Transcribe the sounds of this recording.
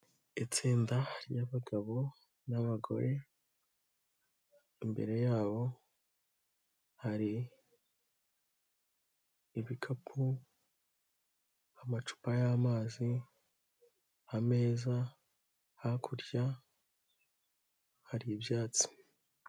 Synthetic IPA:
it͡siːndahɾjaβaɡaβo̞ | naβaɡo̞̰ɾe̞ | imbe̞̰ɾe̞jaːβo̞ | haɾi | βikʰapʰu | amat͡ʃu̥pajamaːzi | hame̞ːza | hakʰuɾɟa | haɾiːbjaːt͡si̥

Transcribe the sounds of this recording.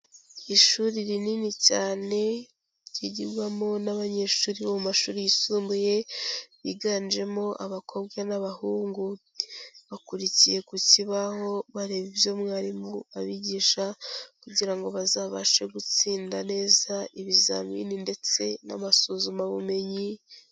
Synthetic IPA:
iʃuɾiɾininicaːne̞ | ɟiɟiɾɡwamonaβaɲe̞ʃuːɾiβomumaʃuːɾijisuːmbuje̞βiɡaːnd͡ʒe̞mo̞ʔaβakʰo̞bɡwanaβahuːŋɡu | βakuɾicije̞kuciβaho̞βaɾe̞βivjo̞mŋaːɾimoaβiɟiːʃakuɟiɾaŋɡo̞βazaːβaʃe̞ɡut͡siːndane̞ːzaiβiza̰mḭninde̞t͡se̞̰na̰masozumaβume̞ɲi

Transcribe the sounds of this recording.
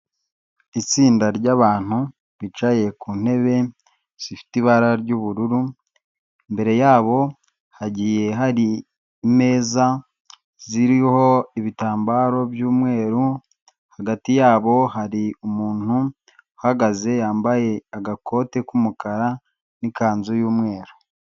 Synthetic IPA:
it͡siːndaɾɟaβaːn̥hu | βit͡ʃaje̞kuːn̥he̞βe̞ | sifi̥tiβaɾaɾɟuβuɾuɾu | mbe̞ɾe̞jaːβo̞ | haɟije̞ɦaɾi | me̞ːza | ziɾiho̞iβitaːmbaːɾo̞bjuːmŋe̞ːɾu | haɡatijaːβo̞haɾiumuːn̥u | haɡaze̞jaːmbaje̞aɡakʰo̞ːte̞kumukaɾa | nikaːnzujuːmŋe̞ːɾu̥

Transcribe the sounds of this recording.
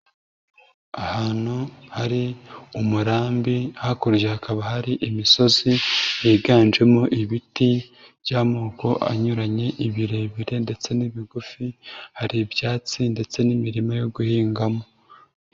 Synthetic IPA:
ahaːn̥huhaɾiumuɾaːmbihakuɾʒehakaβahaɾiʔimiso̞zijiːɡaːnd͡ʒe̞moʔiβiti | βjaːmoːko̞ʔa̰ɲuɾaɲe̞ʔiβiɾe̞βiɾe̞nde̞t͡se̞niβiɡufihaɾibjaːt͡sinde̞t͡se̞nimiɾimajo̞ɡuhiːŋɡamo̞

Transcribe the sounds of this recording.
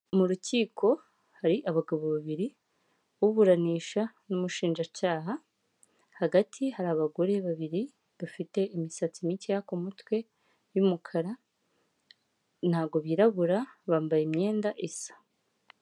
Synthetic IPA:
muɾuciːkʰo̞ | haɾiʔaβaɡaβoβaβiɾi | βuβuɾaniːʃa | numuʃiːnʒacaːɦa | haɡatʰihaɾaːβaɡo̞ɾe̞βaβiɾi | βafite̞imisat͡simitijakomutwe̞ | jumukʰaɾa | n̥haːɡo̞βiːɾaβuɾaβaːmbajemɲe̞ːndaʔesḁ

